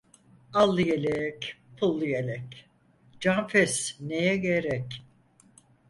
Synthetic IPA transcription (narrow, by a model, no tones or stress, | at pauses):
alˠːɯjelʲɛcpʰulˠːɯjelʲɛc | d͡ʒanfɛsnejɛɡeɾɛc